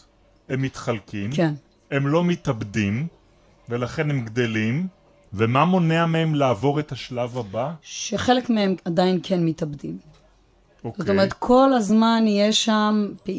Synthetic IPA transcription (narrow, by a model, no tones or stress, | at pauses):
emːit̪χalkimken | emlo̞mitabdim | velaχe̞nemɡd̪elim | vemamo̞neamehemlaːvo̞ʁetaʃlavabaʃeχe̞lekmeemadainkʰenmitabdim | okzot̪omeʁet̪kʰo̞lazmanijeʃamp